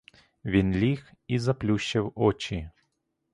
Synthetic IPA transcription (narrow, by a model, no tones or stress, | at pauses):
vʲinlʲixizɐplʲuɕːɛwɔt͡ɕi